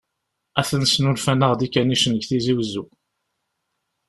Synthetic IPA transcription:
æθənsnulfænəʁd̪ikːæniʃənəɡθiziwzːu

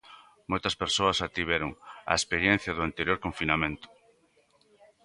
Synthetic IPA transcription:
mojt̪ɐspeɾsoɐsat̪iβeɾʊŋa̰espeɾjɛ̃n̟θjɐðʊant̪eɾjoɾkoɱfinamẽnt̪ʊ̥

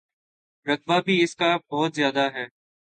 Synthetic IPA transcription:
ɾəkʋabʱiɪskabɔːt̪zjaːd̪aɦɛː

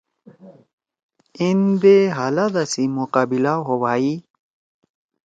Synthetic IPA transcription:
ind̪eɦalad̪asimuqaːbilaɦowaːi

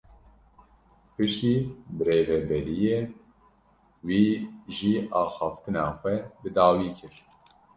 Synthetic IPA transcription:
pɨʃt̪iːbɨɾeːvɛbɛɾijeː | wiːʒiːʔɑːxɑːft̪ɨnɑːxʷɛbɨd̪ɑːwiːkʰɨɾ

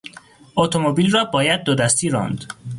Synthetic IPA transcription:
ʔot̪ʰomobiːlrɒːbɒːjæd̪̚ːod̪æst̪iːɾɒ̰ːnd̪

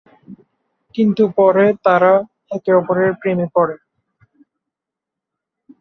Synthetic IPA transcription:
kint̪upɔɾet̪aɾa | ɛkeɔpoɾeɾpɾemepɔɾe

